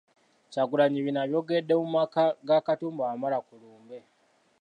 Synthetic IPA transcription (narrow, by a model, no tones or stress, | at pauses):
caɡulaɲiβinaβjo̞ɡedːemumakaɡakatuːmbaːmalakuluːmbe̞